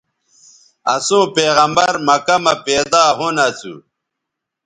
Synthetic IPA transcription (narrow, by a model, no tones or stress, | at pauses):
ɐ̰sõːpeːɣɐmbɐɾmɐkɐmɐpeːd̪aːɦunɐt͡sṵ